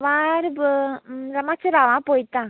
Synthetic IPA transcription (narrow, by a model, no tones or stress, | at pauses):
ʋãːɾɯb | ɾɐmaːt͡ʃːɐɾaːʋãːpoːjt̪ːãː